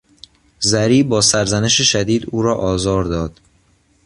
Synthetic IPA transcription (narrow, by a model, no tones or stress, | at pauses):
zæɾiːbɒːsæɾzæne̞ʃeʃæd̪iːd̪uːɾɒːʔɒːzɒːɾd̪ɒːd̪̥